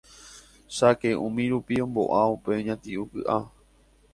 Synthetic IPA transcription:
ʃakeũmĩɾupiõ̞mbo̞̰ʔaupeoɲãt̪iʔukɨ̰ʔa

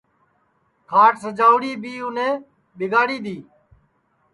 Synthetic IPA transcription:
kʰaːʈsəd͡ʒaːʊɽiːbiːʊnẽː | ɓɪɡaːɽiːd̪iː

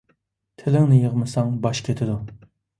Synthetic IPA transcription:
t̪ʰɪlɪŋnɪjəʁmɨsɑŋbɑʃkʲʰet̪ʰɪd̪u

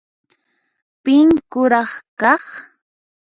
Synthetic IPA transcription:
pɪŋkʊɾɑχkɑχ

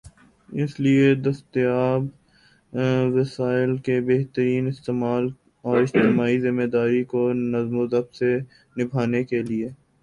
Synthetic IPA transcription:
ɪslied̪ɐst̪jaːb | ʋɐsaːɪlkebeɦt̪əɾiːnɪst̪eːmaːl | ɔːɾɪd͡ʒt̪ɪmaːizɪmːed̪aːɾikonɐzmozəbse | nɪbʱaːnekelieː

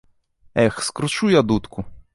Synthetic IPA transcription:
ɛxskɾʊt͡ʃujad̪ut̪kʊ

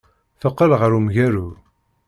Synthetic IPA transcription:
θəqːəlʁəɾumʝæɾu

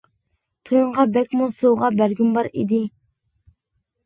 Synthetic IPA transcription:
t̪ʰojuɴʁɑbɛkʲmusoʁɑbæɾɡʲymbɑɾḭd̪ɪ

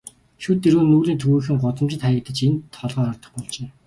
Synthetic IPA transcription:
ʃut̪ːeɾɣɘːnːuːɮiːnt̪ʰɵɣuːxɘ̆ŋɢʊt̪ə̆mt͡ɕɪ̆t̪χajə̆k̚t̪ə̆t͡ɕent̪ʰːɔɮʁɔːɔrt̪ɞ̆χpɔɮt͡ɕeː

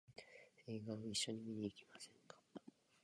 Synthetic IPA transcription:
eːɡãɰ̃iɕːo̞ɲ̟imʲiɲʲiːkʲimasẽ̞ŋkḁ

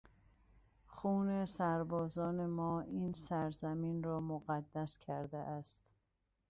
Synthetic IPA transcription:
xuːne̞sæɾbɒːzɒːne̞mɒːiːnsæɾzæmiːnrɒːmoɣæd̪ːæskʰæɾd̪eʔæst̪

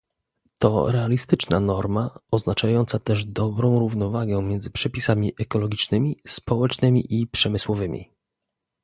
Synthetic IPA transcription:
t̪ɔ̰ɾɛalʲist̪ɘt͡ʂnanɔɾmaɔznat͡ʂajɔnt̪sat̪ɛʐd̪ɔbɾɔ̃w̃ɾuvnɔvaɡɛ̃mʲjɛnd̪zɘpʂɛpʲisamʲiʔɛkɔlɔɡʲit͡ʂnɘmʲispɔwɛt͡ʂnɘmʲḭʔipʂɛmɘswɔvɘmʲḭ

